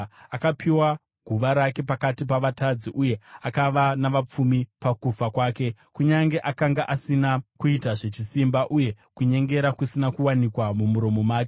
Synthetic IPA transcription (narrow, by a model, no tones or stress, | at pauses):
akapiwa | ɡʱuʋaɾake̞pakatip̬aʋatʰad͡ziʔuje̞akaʋanaʋap͡fumipakufakwaːke̞kuɲaŋɡe̞ʔakaŋɡaʔasinakuitaʐe̞t͡ʃisimbaʔuje̞ | kuɲe̞ŋɡe̞ɾakusinakuwanikwamumuɾo̞mo̞maːke̥